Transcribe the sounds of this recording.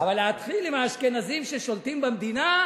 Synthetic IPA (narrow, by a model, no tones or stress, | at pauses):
avaleat̪χilimaːʃkenazimʃeʃolt̪imbemd̪ina